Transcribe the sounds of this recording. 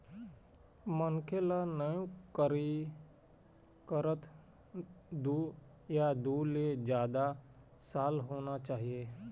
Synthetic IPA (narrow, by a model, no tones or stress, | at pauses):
mənkʰelanəjũkəɾi | kəɾət̪ | d̪u | jad̪uːled͡ʒjaːd̪a | saːlɦoːnat͡ʃaːɦieː